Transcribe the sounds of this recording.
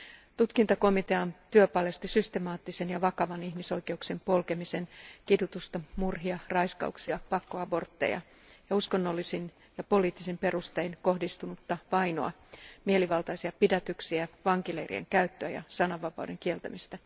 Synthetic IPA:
t̪ut̪kint̪ɑko̞mit̪eɑnt̪yøpɑlest̪isyst̪e̞mɑːt̪ːise̞njɑʋɑkɑʋɑnihmiso̞jke̞ukse̞mpo̞lke̞mise̞nkidut̪ust̪ɑmurɦiɑrɑjskɑ̰uksiɑpɑkːoɑbo̞rt̪ːḛjɑ̰ | jɑusko̞nːo̞lːisin | jɑpo̞liːt̪ːisimpe̞rust̪ejnko̞hdist̪unut̪ːɑʋɑjno̞̰ɑ̰ | mie̞liʋɑlt̪ɑjsiɑpidæt̪yksiæʋɑŋkilḛjrḭḛŋkæyt̪ːøæjɑ̰sɑnɑʋːɑpɑ̰wde̞ŋkie̞lt̪æ̰mist̪æ

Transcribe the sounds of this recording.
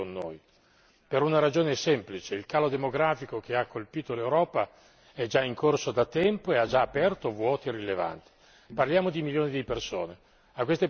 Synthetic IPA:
onːo̰ːj | peɾunaɾad͡ʒoːnesɛmplit͡ʃeilkaːlod̪emoɡɾaːfikok̟ʰeakʰːolpiːt̪olewɾɔːpa | ɛd͡ʒaiŋkorsod̪at̪ːɛmpoead͡ʒaːpɛrt̪ovwɔːt̪ierileva̰nt̪i̥ | parljaːmod̪imiljoːnid̪iperso̰ːne | akwest̪e

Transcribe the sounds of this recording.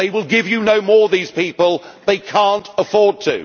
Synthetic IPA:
eɪwɪlˠɡɪvjɨnoʊmɔɹðiz̥pipəlˠðeɪkʰæ̃ntəfɔɹd̚tʰɨ̰

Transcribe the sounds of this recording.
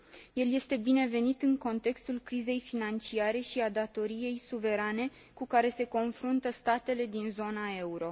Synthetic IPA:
je̞lje̞st̪e̞bine̞ve̞nit̪ɨŋko̞nt̪e̞kst̪ulkɾize̞jfinant͡ʃiaɾe̞ʃiad̪at̪o̞ɾije̞jsuve̞ɾane̞ | kukaɾe̞se̞ko̞nfɾunt̪əst̪at̪e̞le̞d̪inzo̞nae̞uɾo̞

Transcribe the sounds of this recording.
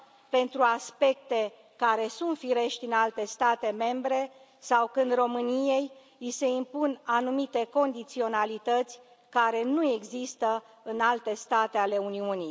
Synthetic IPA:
pe̞nt̪ɾuaspe̞kt̪e̞ | kaɾe̞sunt̪fiɾe̞ʃt̪ʲinalt̪e̞st̪at̪e̞me̞mbɾe̞ | sawkɨnd̪ro̞mɨnije̞j | ise̞impunanumit̪e̞ko̞nd̪it̪sio̞nalit̪ət̪sʲ | kaɾe̞nue̞ɡzist̪ə | ɨnalt̪e̞st̪at̪e̞ale̞uniuni

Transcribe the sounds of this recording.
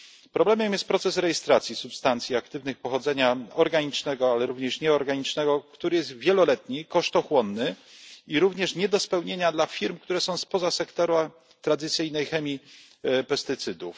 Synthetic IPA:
pɾɔblɛmɛmjɛst̪̚pɾɔt̪sɛsɾɛjɛst̪ɾat̪sʲisupst̪ant̪sʲjiakt̪ɘvnɘxpɔxɔd̪zɛɲaɔɾɡaɲit͡ʂnɛɡɔalɛɾuvɲɛʂɲɛɔɾɡaɲit͡ʂnɛɡɔkt̪uɾɘjɛst̪vʲjɛlɔlɛt̪ɲikɔʂt̪ɔxwɔnːɘiɾuvɲɛʂɲɛd̪ɔspɛwɲeɲad̪lafʲiɾmk̚t̪uɾɛsɔ̃w̃spɔzasɛkt̪ɔɾa | t̪ɾad̪ɘt̪sɘjnɛjxɛmʲi | pɛst̪ɘt̪sɘd̪uf

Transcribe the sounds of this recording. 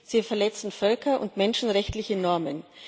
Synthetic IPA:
z̥iːfɛɐlɛt͡sn̩fœlkɐʔʊ̰ntmɛnʃn̩ʁɛçtlɪçənɔɐmən

